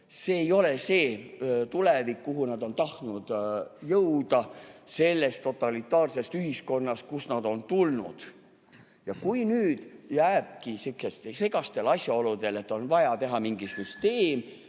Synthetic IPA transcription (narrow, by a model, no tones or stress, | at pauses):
se̞ːjo̞le̞se̞ːt̪ulevikːuɦunɑd̪o̞nt̪ɑht̪nud̪̥jɤwd̪̥ɑse̞lːe̞st̪ːo̞t̪ːˑɑlit̪ːˑɑːrse̞st̪yɦisko̞nːɑst̪̚kusnɑd̪̥o̞nt̪ulnṵd̪̥ | jɑkujnyːd̪̥jæːb̥̚kisykest̪esekɑst̪e̞lɑsʲjɑo̞lud̪̥e̞le̞t̪ːˑo̞nvɑjɑt̪e̞ɦɑmiŋɡ̥isyst̪e̞ːm